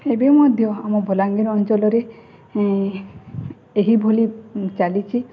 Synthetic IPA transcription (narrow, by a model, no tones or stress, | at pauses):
ebemɔd̪ʱjɔamɔbʱɔlaŋɡiɾɔnt͡ʃɔlɔɾe | eɦibʱolit͡ʃalit͡ʃʰi